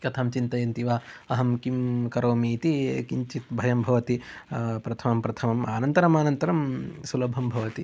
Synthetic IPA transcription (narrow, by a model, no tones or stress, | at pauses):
kɐt̪ʰaːmt͡ʃint̪ɐjɐnt̪iʋaːɐɦɐmkimkɐɾoːmiːt̪ikiɲt͡ʃit̪bʱɐjɐmbʱɐʋɐt̪ipɾɐt̪ʰɐmɐmpɾɐt̪ʰɐmɐmaːnɐnt̪ɐɾɐmaːnɐnt̪ɐɾɐmsulɐbʱɐmbʱɐʋɐt̪i